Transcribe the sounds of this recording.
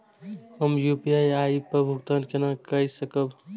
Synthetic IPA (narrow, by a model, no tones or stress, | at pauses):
həmjupijajaipəbʱuk̚t̪ankenakəisəkəb